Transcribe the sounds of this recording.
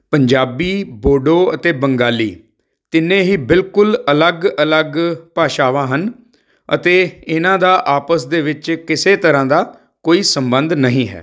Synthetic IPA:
pəɲd͡ʒaːbiːboːɖoːət̪eːbəŋɡaːlḭː | t̪ɪnẽːɦiːbɪlkʊlələɡələɡpaːʃaːʋãːɦən | ə̰t̪eːɪnãːd̪aːʔaːpəsd̪eːʋɪt͡ʃkɪseːt̪əɾãːd̪aː | koːiːsəmbənd̪nəɦĩːɦɛ̰ː

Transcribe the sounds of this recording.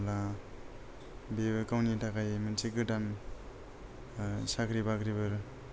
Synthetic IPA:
la | bebɯkawnitʰakajmansekɯdam | sakʰɾibakɾibɯɾ

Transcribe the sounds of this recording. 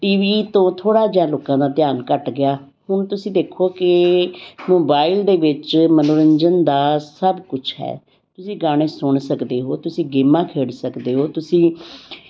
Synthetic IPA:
ʈiːʋiːt̪õːt̪ʰoːɽaːd͡ʒɛ̃ːloːkãːd̪aːt̪jaːnkəʈɡɪaː | hʊɳt̪ʊsĩːd̪eːkʰoːkɪ | moːbaːild̪eːʋɪt͡ʃmənoːɾəɲd͡ʒənd̪aːsəbkʊt͡ʃʰɦɛ̰ː | t̪ʊsĩːɡaːɽ̃eːsʊɳsəkd̪eːɦoːt̪ʊsĩːɡeːmãːkʰeːɽsəkd̪eːɦoːt̪ʊsĩː

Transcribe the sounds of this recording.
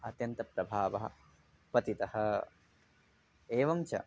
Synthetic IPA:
ɐt̪jɐnt̪ɐpɾɐbʱaːʋɐɦɐ̰ | pɐt̪it̪ɐhɐ̆ | eːʋɐmt͡ʃɐ̰

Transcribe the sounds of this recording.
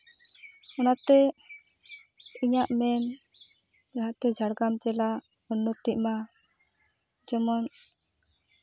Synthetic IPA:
ɔnat̪ɛ | iɲaʔmɛn | d͡ʒaɦaʔt̪ɛd͡ʒʱaɽɡamt͡ʃɛla | ɔnːɔt̪iʔ̚ma | d͡ʒɔmɔn

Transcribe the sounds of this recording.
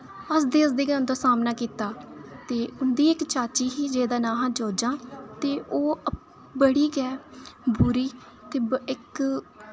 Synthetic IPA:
əsd̪eːəsd̪eːɡand̪aːsaːmnaːkiːt̪aːt̪eːʊnd̪iːɪkt͡ʃaːt͡ʃiːɦiːd͡ʒeːd̪aːnãːɦãːd͡ʒoːd͡ʒãːt̪eːʔoː | bəɽiːɡɛːbʊɾiː | t̪eːɪk

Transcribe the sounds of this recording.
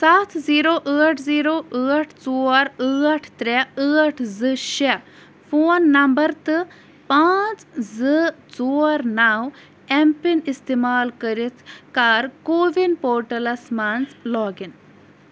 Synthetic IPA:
saːt̪ʰziːɾoːʔəːʈʰziːɾoːʔəːʈʰt͡soːɾəːʈʰt̪ɾɛəːʈʰzɨʃe | fʰoːnːɐmbəɾt̪ɨ | paːt͡szɨt͡soːɾnaːw | ɛmpinist̪imaːlkəɾit̪ʰkaːɾkoːʋinpoːɾʈɐlɐsmanzlɔːɡin

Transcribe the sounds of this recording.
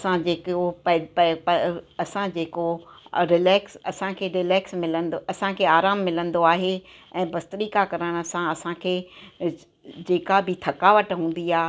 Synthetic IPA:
ɐsãd͡ʑeːkopɐppɐɐsãd͡ʑeːkoɾɪlɛːksɐsãkʰeːɾɪlɛːksmɪlə̃nd̪oɐsãkʰeːaːɾaːmːɪlə̃nd̪oaːɦeɛ̃ːbɐst̪əɾiːkakɐɾəɽ̃sãɐsãkʰeː | d͡ʑeːkabɪt̪ʰɐkaːʋəʈɦũːn̆d̪iaː

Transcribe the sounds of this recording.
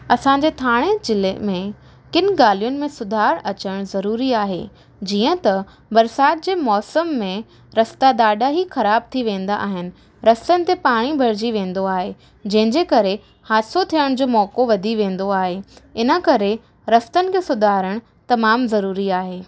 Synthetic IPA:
ɐsãːɲd͡ʑet̪ʰaːɽ̃ed͡ʑɪlemẽ | kɪn̆ɡaːlijʊnɪ̆mẽsʊd̪ʱaːɾə̃ɐt͡ɕəɽ̃zɐɾuːɾiaːɦḛ | d͡ʑiːə̃t̪ɐ | bɐɾsaːt̪̚d͡ʑeːmɔːsəmːẽ | ɾɐst̪ad̪aːɖaɦixɐɾaːb̚t̪ʰiʋẽːn̆d̪aʔa̰ːɦɪnɪ̆ | ɾɐst̪ənɪ̆t̪epaːɽ̃ibʱɐɾd͡ʑiʋẽːn̆d̪oaːɦe | d͡ʑɐ̃ɦɪ̃ɲd͡ʑekɐɾe | haːsot̪ʰijəɽ̃d͡ʑoːmɔːkoʋɐd̪ʱiʋẽːn̆d̪oaːɦeɪnə̆kɐɾe | ɾɐst̪ənɪ̆kʰeːsʊd̪ʱaːɾəɽ̃ | t̪ɐmaːmzɐɾuːɾiaːɦeː

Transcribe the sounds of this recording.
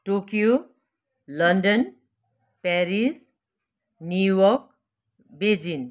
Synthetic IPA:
ʈokijo | lʌnɖʌn | paɾis | njujʌk̚ | bed͡zin

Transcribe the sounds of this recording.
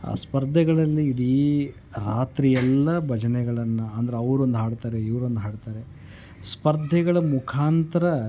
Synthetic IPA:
a̰ːspɐɾd̪ʱɛɡɐɭɐlːiːɽi | ɾaːt̪ɾijɛlːɐbʱɐd͡ʒɐnɛɡɐɭɐnːɐɐnd̪ɐɾeɐʋɾuond̪uɦaːɽt̪aːɾeiʋɾond̪uɦaːɽt̪aːɾe̞ | spɐɾd̪ʱɛɡɐɭɐmukʰaːnt̪ɐɾɐ

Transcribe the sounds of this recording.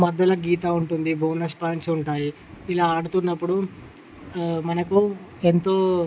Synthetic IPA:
mɐd̪ːɐlɐɡiːt̪aːuɳʈund̪ibʱoːnɐspaːnsuɳʈaːji | ilaːɐːɽut̪unːɐpːuɽu | mɐnɐku | ent̪o̞ː

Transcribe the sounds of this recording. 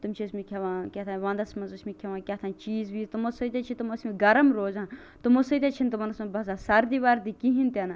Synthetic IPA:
t̪umt͡ʃʰismikʲʰeʋãːkʲat̪ʰãʋãːnd̪ɐsmɐnzusmikʲʰɐʋãːkʲat̪ʰãːnt͡ʃiːzʋiːzt̪umosoit̪ʲet͡ʃʰit̪umosmiɡɐɾɐmɾoːzãn | t̪umosot̪ʲet͡ʃʰint̪umɐnɐsmɐbɐzaːsɐɾd̪iʋaɾd̪ikiɦint̪ʲɐna

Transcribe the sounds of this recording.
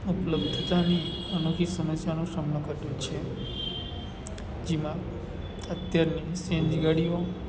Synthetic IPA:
upləbd̪ʱt̪ani | ənokʰisəməsjanoʃɾəmɳə̃kəɾd̪ũt͡ʃʰe | d͡ʒemã | ət̪jaɾnisẽnd͡ʒɡaɽio

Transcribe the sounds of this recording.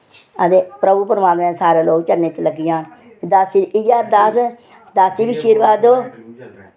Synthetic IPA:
əd̪epɾəbupəɾmaːt̪mẽːsaːɾeːloːɡt͡ʃəɾneːt͡ʃləɡɪjãːn | d̪əsiɪjaːɾd̪əs | d̪əsiːbiʃiːɾʋaːd̪oː

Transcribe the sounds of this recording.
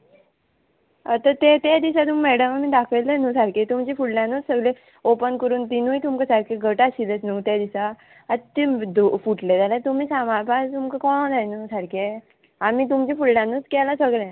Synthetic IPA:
ət̪ət̪et̪ed̪isat̪umimɛɽəməmiːd̪akʰəjlenusaɾket̪umt͡ɕifuɽlãnuːt͡ssəɡle | opənkəɾuːnt̪inujt̪umkəsaɾkʰeɡʱəʈaɕilət͡snut̪jad̪isaː | t̪id̪ufuʈled͡z̪alẽt̪umiːsamaɾpat̪umkəkɔ̃d͡zajnusaɾkʰe | amit̪̬umt͡ɕifuɽɖãnuːt͡skɛlasəɡɭẽ

